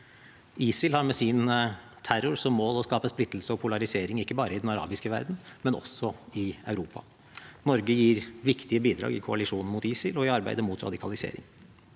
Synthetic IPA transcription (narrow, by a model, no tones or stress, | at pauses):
iːsɪlhɑɾmɛsɪn | t̪ʰæɾʊɾsɔmːoːlɔskɑːpəsplɪt̪ːl̩səɔpʰʊlɑɾɪseːɾɪŋɪkːəbɑːɾəɪd̪ɛnɑɾɑ̰ːbɪskəʋæ̰ɾd̪n̩mɛnɔ̰sɔɪɑʉɾuːpɑ̰ | nɔɾɡəjiːɾʋɪkt̪ɪəbiːd̪ɾɑ̰ːɡɪ̰kʰʊɑlɪʂuːnn̩mʊt̪iːsɪlɔɪɑɾbæ̰ɪd̪əmʊt̪ʰɾɑ̰d̪ɪkʰɑ̰lɪsḛːɾɪ̰ŋ